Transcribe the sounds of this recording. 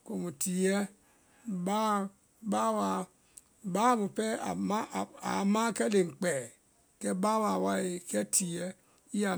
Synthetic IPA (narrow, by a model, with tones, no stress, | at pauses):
ko˨mu˨ti˨jɛ˦ | ba˦ | ba˦wa˨ | ba˦mu˨pɛ˦˨ma˦˨a̰˨˦ma˦kɛ˦le˨ŋ͡m̩˨k͡pɛ˨ | kɛ˦ba˦wa˨wa˦je˨kɛ˦tʰi˨jɛ˦ | i˦ja˨